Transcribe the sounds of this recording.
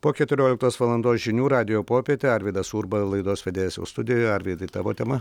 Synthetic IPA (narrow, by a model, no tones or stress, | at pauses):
poːkʲɛt̪ʲʊɾʲoːlʲɪkt̪oːsʋɐlˠɐnd̪oːsʒʲɪnʲuːɾɑːd̪ʲɪjoːpoːpʲiɛt̪ʲeːɐɾʲʋʲiːd̪ɐsuːɾbɐlˠɐɪd̪oːsʋʲɛd̪ʲeːjɛsʲɛ̰ʊst̪ʊd̪ʲɪjoɐɾʲʋʲid̪ɐt̪ɑːʋoːt̪ʲɛmɐ